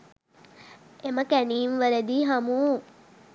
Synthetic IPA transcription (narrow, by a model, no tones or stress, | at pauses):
eməkæniːmʋəɾəd̪iːɦamuː